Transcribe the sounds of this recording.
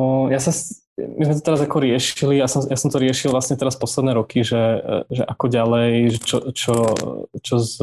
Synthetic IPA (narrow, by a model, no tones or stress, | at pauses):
jasas | mizmɛt̪̬ɔt̪ɛɾazakɔɾɪɛʃiliasɔmjasɔmt̪ɔɾɪɛʃilˠvlasɲɛt̪ɛɾaspɔslɛd̪nɛːɾɔkʰiʒɛʒɛʔakɔɟalɛjʒɛt͡ʃɔt͡ʃɔt͡ʃɔz